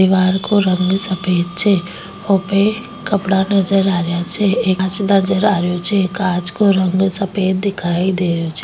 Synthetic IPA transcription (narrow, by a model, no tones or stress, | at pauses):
ɪʋaːɾkoɾə̃ŋɡsəpeːt̪̚t͡ʃʰe | hopẽ | kəpɽanəd͡ʒəɾaːɾjat͡ʃʰeet͡ʃnəd͡ʒəɾaːɾjot͡ʃʰekaːd͡ʒkoɾə̃ŋɡsəpeːt̪̚d̪ɪkʰaːid̪eːɾjot͡ʃʰeː